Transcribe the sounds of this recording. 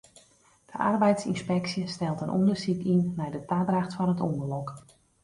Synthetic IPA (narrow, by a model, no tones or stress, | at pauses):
d̥əʔarbɛjtsinspɛksjəstɛlˠtənʔɔ̰ndəsikinːɛjdətaːdraxtfɔnətɔndərlɔk